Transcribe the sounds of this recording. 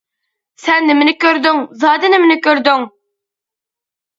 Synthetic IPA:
sɛnːɪmɪnɪkʲøɾd̪yŋzɑːd̪ɨnɪmɪnɪkʲøɾd̪yŋ

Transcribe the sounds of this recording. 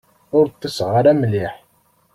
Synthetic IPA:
ʊɾt̪ːəsʁaɾæmliħ

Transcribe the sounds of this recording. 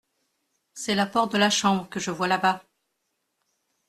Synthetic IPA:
sɛlapɔʁt̪̚d̪əlaʃɑ̃bʁkəʒəvwalaba

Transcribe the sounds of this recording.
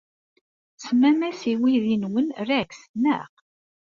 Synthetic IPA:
smæmæsiwiðinwənræksnæ̰ʁ

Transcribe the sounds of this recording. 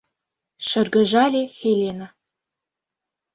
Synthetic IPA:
ʃə̆rɡə̆ʒɑlʲexelʲena

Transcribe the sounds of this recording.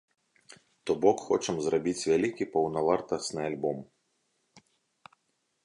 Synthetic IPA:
t̪ɔbɔkxɔt͡ʂɐmzrabʲit͡sʲvʲalʲikʲipɐwnɐvart̪ɐsnɨalʲbɔm

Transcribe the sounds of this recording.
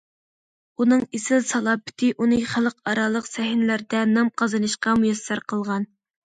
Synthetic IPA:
unɨŋesɪlsɑlˠɑpʰɪ̥t̪ʰɪʔunɨχælˠqɑɾɑlˠəqsɛɦnɪlæɾd̪ɛnɑmqʰɑzɨnɨʃqɑmujɑsːæɾqʰəlˠʁɑn

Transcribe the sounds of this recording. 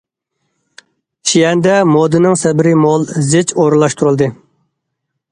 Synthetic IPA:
ʃijɛnd̪ɛmod̪ɨnɨŋsɛbɪɾɪmɔlˠzɪt͡ʃoɾɨlˠɑʃt̪ʰuɾɨlˠd̪ɨ

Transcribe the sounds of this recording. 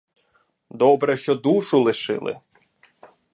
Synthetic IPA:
d̪ɔbɾɛʃt͡ʃɔd̪uʃʊlˠɪʃɪ̰lˠɪ̰

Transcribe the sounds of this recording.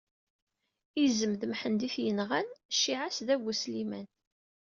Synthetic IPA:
izəmðmħənd̪iθjənʁænʃːiʕasðæwuslimæn

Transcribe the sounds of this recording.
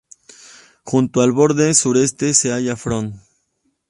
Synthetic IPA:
xunt̪oalβo̞ɾðesuɾe̞st̪eseaʝafɾon

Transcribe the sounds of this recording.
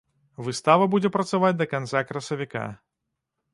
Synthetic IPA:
vɨst̪avɐbud͡zʲɛpɾɐt̪savad͡zʲd̪ɐkant̪sakɾɐsɐvʲika̰

